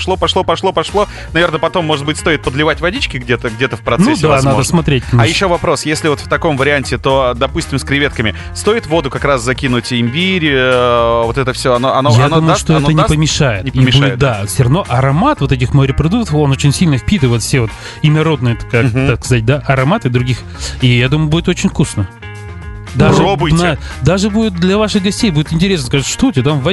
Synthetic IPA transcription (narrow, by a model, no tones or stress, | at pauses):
ʂlˠopɐʂlˠo̞pɐʂlˠo̞pɐʂlˠo̞ | nɐvʲe̞rnəpɐt̪o̞mːoʐɨt̪̚bɨtʲst̪o̞ɪt̪̚pəd̪lʲɪvatʲvɐdʲit͡ɕkʲɪɡdʲet̪əɡdʲet̪əfpɾɐt̪nɛd̪ʲanadd̪əsmɐt̪ɾʲet̚ʲajɪɕːo̞vɐpɾo̞sjesʲlʲɪvo̞t̪ft̪ɐko̞mvəɾʲɪanʲtʲɪt̪o̞d̪ɐpusʲtʲɪmskɾʲɪvʲet̪kəmʲɪ | st̪o̞ɪt̪vo̞d̪ʊkɐkɾaszɐkʲinʊtʲɪmʲbʲiɾʲ | vo̞t̪ɛt̪əfsʲoɐnoɐnojad̪uməjʊʂoɛənʲɪpəmʲɪʂajɪ̰t̪nʲɪimbudʲɪt̪̚d̪afsʲɾɐvno̞ʔɐɾɐmat̪vo̞t̪ɛt̬ʲɪxməɾʲɪpɾɐd̪uk̚t̪əfo̞no̞t͡ɕɪnʲsʲilʲnəfpʲit̪ɨjvot̪fsʲevo̞t̪ | ɪnɐɾo̞d̪nɨjət̪kaaskɐzat̚ʲd̪aʔɐɾɐmat̪ɨd̪ɾʊɡʲix | ijad̪uməjʊbudɪt̪ot͡ɕɪnʲfkusnə | d̪aɨbnd̪aʐɨbudʲɪt̪̚d̪lʲɐvaʂɨɣɡɐsʲtʲejbudʲɪt̪ɪnʲtʲɪɾʲesnəskaʐɨt̪ʂt̪otʲet̪amvɐ